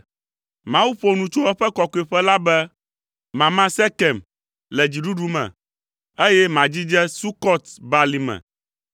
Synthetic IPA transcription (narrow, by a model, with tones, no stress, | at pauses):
mã˦wu˦ɸo˦nũ˨t͡ʃo˦ɛ˦ɸɛ˦kɔ˨ko˦i˨ɸɛ˦la˦bɛ˦ | mã˨mã˦sɛ˦kɛ˨m | lɛ˨d͡ʑi˨ɖu˦ɖu˦mɛ̰̃˨ | e˦jɛ˦mã˨d͡ʑi˦d͡ʒɛ˦su˦kɔ˦t̪ba˨li˨mɛ̰̃˨